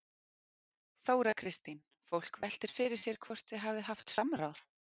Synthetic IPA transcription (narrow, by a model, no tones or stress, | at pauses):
θoːwɾakʰɾɪst̪in | fowl̥kvɛl̥t̪ɪɾ̥fɪɾɪ̥sjɛɾ̥kʰvɔr̥t̪θɪɦavðɪɦaft̪samɾawθ